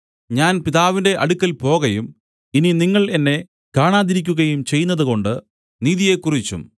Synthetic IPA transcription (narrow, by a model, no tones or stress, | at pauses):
ɲaːnpiðaːʋinde̞ʔɐɽukʲːɐlpo̞ːɣɐjum | ininiŋːɐɭe̞nːe̞ | kaːɳaːðiɾikʲːuɣɐjumt͡ɕe̞junːɐðuɣo̞ɳɖɨ | niːðije̞kːurit͡ɕːṵm